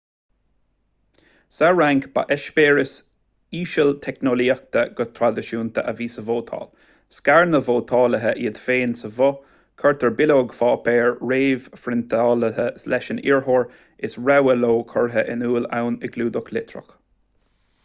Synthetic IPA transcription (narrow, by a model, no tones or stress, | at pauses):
saɹaŋkb̥a̰ʔɛʃpeːɹəs | iːʃəlt̪ʰɛknoliːakt̪ʰəɡ̥ʊt̪ʰɾad̪ɪʃuːnt̪ʰə̰ʔəviːsəvoːt̪ʰɑ̰ːl | skaɹnəvoːt̪ʰɑːləɦəʔiːd̪feːnsəvʊ | kʰəɹt̪ʰəɹbɪloːɡfɑːpʰeːɹɹeːvfɾɪnt̪ʰɑːləɦəslɛʃənḭːɹɦoːɹ | ɪsɹɛwəloːkʰɔɹɦəʔɪ̰nuːlawnəɡluːd̪ʊklɪt̪ʰɹə̰k